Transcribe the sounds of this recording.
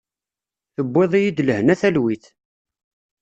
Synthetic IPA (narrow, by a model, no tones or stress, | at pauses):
θəbʷːeðˤijid̪ləhnæθælwiθ